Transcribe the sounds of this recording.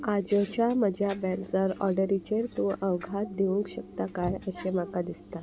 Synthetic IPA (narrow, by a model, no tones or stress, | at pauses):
ad͡ʑət͡ɕaməd͡ʑʱjabɛld͡zəɾɔ̰ɾɖəɾit͡ɕeɾt̪ũʔəwɡʱat̪̚d̪eʋuŋkɕəkt̪akajəɕemakad̪ist̪a